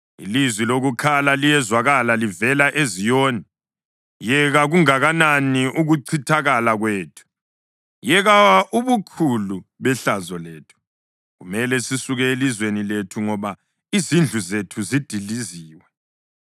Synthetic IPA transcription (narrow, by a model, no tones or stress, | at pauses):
ḭlizwiloɣukʰalalijɛzwaɣalalivɛlaʔezijoːni | jɛɣaɣuŋaɣananiʔuɣuǀʰitʰaɣalaɣweːtʰu̥ | jɛɣawaʔuβukʰuluβɛɬazɔleːtʰu̥ | ɣumɛlɛsisuɣɛelizweniletʰuŋɔβa | izind͡ɮʱuzetʰuzid̥ʱiliziːwɛ